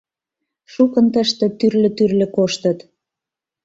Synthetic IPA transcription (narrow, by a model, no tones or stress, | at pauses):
ʃukənt̪ə̆ʃt̪ĕt̪yrlə̆t̪yrlɘ̆koʃt̪ə̆t̪